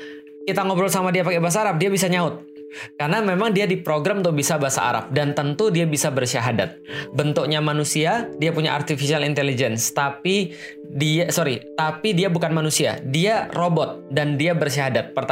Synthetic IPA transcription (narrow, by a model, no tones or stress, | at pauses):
kit̪aŋobɾɔlsamadiapakebaɦas̬aːɾap̚diabisaɲaʊt̪̚ | karnamemaŋdiadipɾoɡɾamunt̪ʊk̚bisabaɦasa̰ʔa̰ɾa̰p̚dant̪ənt̪udiabisabərʃaɦada̰t̪̚bənt̪ʊk̚ɲamanusiadiapuɲa̰ʔa̰rt̪ifisialint̪elid͡ʒɛnst̪api | diasoɾit̪apidiabukanmanusia̰diarobɔt̪̚dandiabərʃ̬aɦadat̪̚pərt̪